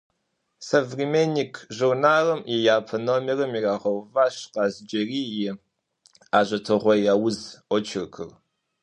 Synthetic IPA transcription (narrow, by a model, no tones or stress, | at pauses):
sɐvrimeːnikʰʒurnaːrɐmjɪjaːpʰɐnomirɐmiraːʁɐwvaːɕqɑːzd͡ʒɐriːjɪ | aːʑɐtʰɨʁʷɔjaːwʊzʷɔt͡ʃʰɪrkʰɨ̰r